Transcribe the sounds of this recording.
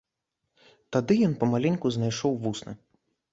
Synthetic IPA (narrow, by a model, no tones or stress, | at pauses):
t̪ad̪ɨjɔnpɐmalʲɛnʲkuznajʂɔwvusnɨ̰